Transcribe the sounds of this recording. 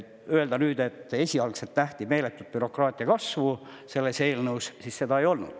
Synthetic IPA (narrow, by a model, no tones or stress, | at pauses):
øe̞ld̪ɑnyːd̪e̞t̪ːe̞sʲiɑlkselt̪ːæht̪ime̞ːle̞t̪ːˑud̪̥̚pyɾo̞krɑːt̪ʲˑiɑkɑsvu | se̞lːese̞ːlnəwssisse̞d̪̥ɑejo̞lnṵd̪̥